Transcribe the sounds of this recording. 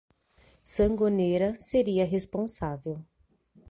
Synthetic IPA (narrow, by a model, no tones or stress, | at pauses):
sɐ̃ŋɡoneɾɐseɾiɐɦespõsavew